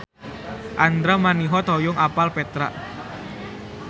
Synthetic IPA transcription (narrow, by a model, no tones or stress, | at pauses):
ʔand̪ɾamaniɦɔt̪ɔjʊŋʔapalpɛt̪ɾa̰ʔ